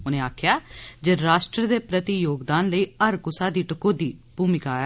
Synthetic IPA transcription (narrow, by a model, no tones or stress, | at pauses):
ʊnẽːaːkʰjaːd͡ʒeːɾaːʃʈɾəd̪eːpɾət̪ijoːɡd̪aːnləiːəɾkʊsaːd̪iːʈəkoːd̪iːb̥ʱuːmɪkaː